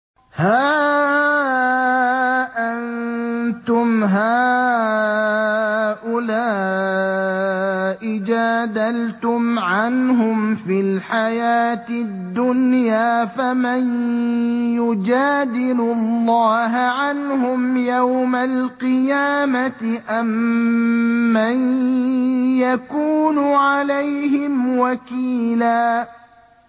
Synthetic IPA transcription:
haː | ʔannt̪ʊmɦaː | ʔʊlaː | ʔɪd͡ʒaːd̪alt̪ʊmʕanɦʊmfilħajaːt̪ɪd̪ːʊnjaːfaman | jʊd͡ʒaːd̪ɪlʊlːɑːɦaʕanɦʊmjawmalqɨjaːmat̪ɪʔam | an | jakuːnʊʕalajhɪmwakiːlaː

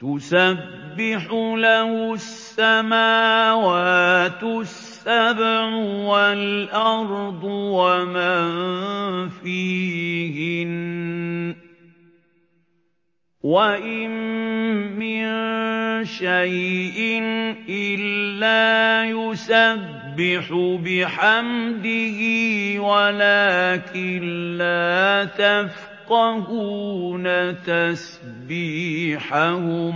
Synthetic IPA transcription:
t̪ʊsabːɪħʊlahʊsːamaːwaːt̪sːabʕwalʔɑɾˤd̪ˤwama | fiːhɪn | waʔɪmː | ɪn | ʃajʔɪnʔɪlːaːjʊsabːɪħʊbɪħamd̪ɪhiːwalaːkɪnlaːt̪af | qɑhunat̪as | biːħahʊm

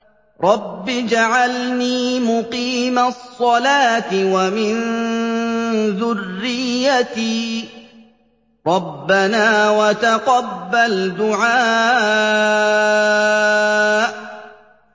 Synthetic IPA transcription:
ɾˤɑbːɪd͡ʒaʕalniːmʊqiːmasˤːɑlaːt̪ɪwamɪn | ðʊrːɪjːat̪iː | ɾˤɑbːanaːwat̪aqɑbːald̪ʊʕaː | ʔ

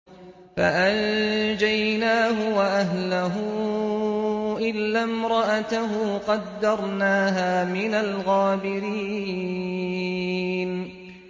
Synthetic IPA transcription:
fa̰ʔand͡ʒajnaːɦʊwaʔaɦlaɦʊ | ʔɪlːamɾˤɑʔat̪aɦʊːqɑd̪ːɑɾˤnaːɦaːmɪnalɣaːbɪɾiː | n

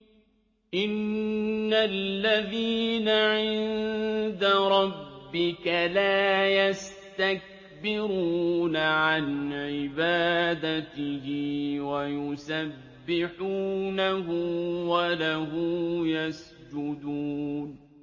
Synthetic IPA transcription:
ʔɪnː | alːaðiːnaʕɪnnd̪aɾˤɑbːɪkalaːjas | t̪ak̚ | bɪɾuːnaʕanʕɪbaːd̪at̪ɪhɪwajʊsabːɪħuːnaɦʊwalaɦʊmjas | d͡ʒʊd̪uːn

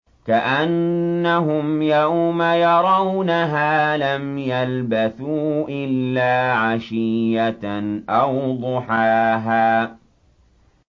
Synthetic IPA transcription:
kaʔanːaɦʊmjɑmajɑɾˤɑwnaɦaːlamjalbaθuːʔɪlːaːʕaʃijjaʔawd̪ˤʊħaːɦaː

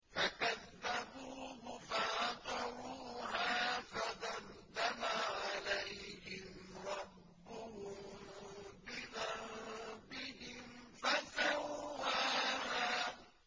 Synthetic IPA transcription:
fakaðːabuːɦʊfaʔt̪ɑɾuːɦaːfaðɑnd̪amaʕalajhɪmɾˤɑbːʊhʊmbɪðɑɾbɪɦɪmfasawhaːaː

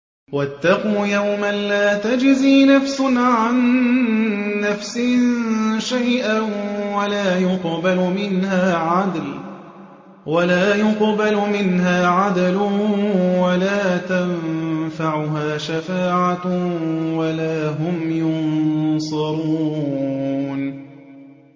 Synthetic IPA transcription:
wat̪ːɑquːjawmanlaːt̪ad͡ʒziːnafsʊnʕan | afsɪ | ʃajʔawalaːjʊqbalʊmɪnhaːʕad̪l | walaːjʊqbalʊmɪnɦaːʕad̪lʊ | walaːt̪afaʕʊɦaːʃafaːʕa | walaːɦʊmjʊnsˤɑɾuuː | n

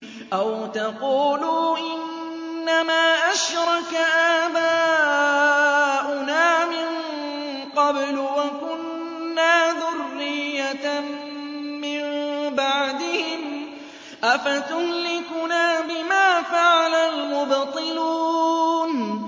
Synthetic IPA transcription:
ʔawt̪ɑquːluːʔɪnː | amaːʔaʃɾˤɑkaʔaːba | ʔʊnaːmɪn | qɑblwakʊnː | aːðʊrːɪjːa | mɪmmbaʕd̪ɪhɪm | ʔafat̪ʊhlɪkʊnaːbɪmaːfaʕalalmʊbt̪ˤɨluːn

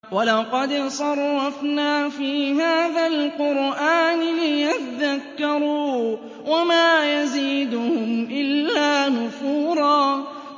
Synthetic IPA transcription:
walɑqɑd̪sˤɑɾˤːɑfnaːfiːɦaːðalqʊɾʔaːnɪlɪjat̪aðakːɑɾuː | wamaːjaziːd̪ʊhʊmʔɪlːaːnʊfuːɾˤɑː

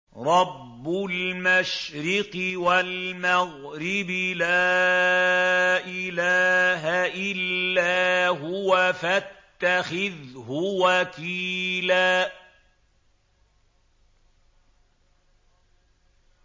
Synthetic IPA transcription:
ɾˤɑbːʊlmaʃɾɪqɪwalmaɣɾɪbɪlaː | ʔɪlaːɦaʔɪlːaːɦʊwafat̪ːaxɪðhʊwakiːlaː

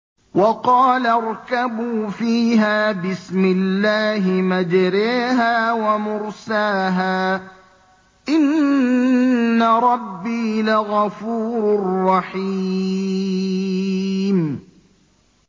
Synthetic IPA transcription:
wɑqɑːlaɾˤkabuːfiːɦaːbɪsmɪlːaːɦɪmad͡ʒɾaːɦaːwamʊɾsaːɦaː | ʔɪn | aɾˤɑbːiːlaɣɑfuːɾrːɑħi | m

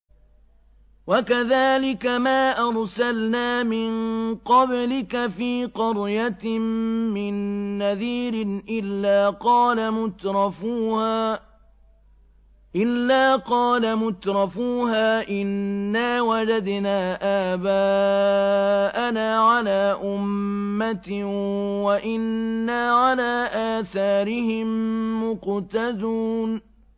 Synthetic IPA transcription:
wakaðaːlɪkamaːʔɑɾˤsalnaːmɪnqɑblɪkafiːqɑɾjat̪mːɪnːaðiːɾɪnʔɪlːaːqɑːlamʊt̪ɾˤɑfuːhaː | ʔɪlːaːqɑːlamʊt̪ɾˤɑfuːɦaːʔɪnːaːwad͡ʒad̪naːʔaːbaː | ʔanaːʕalaːʔʊmːat̪ | waʔɪnːaːʕalaːʔaːθaːɾɪhɪmːʊqt̪ad̪uːn

